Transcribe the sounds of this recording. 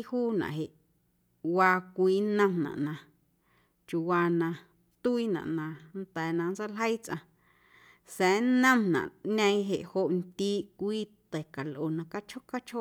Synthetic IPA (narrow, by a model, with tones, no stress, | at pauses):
huː˦nã̰˨ɦe˨ʔ | waː˧kʷiː˧˦nə̃˧mnã̰˨ʔnã˧ | t͡ʃu˨waː˧nã˧ | t̪u˦i˦nã̰˨ʔnã˧nt̪ɛː˨nã˧n˦t͡sa˦lɦə˦jt͡sʔã̰˧ | sɛ̃ː˨˦nə̃˦mnã̰˨ʔɲə̃˧ĩ˦ɦe˨ʔho˧ʔnt̪iː˦ʔkʷiː˦t̪ɛ˨ka˨lʔo˨nã˧ka˦t͡ʃho˦ka˦t͡ʃʰo˦ʔ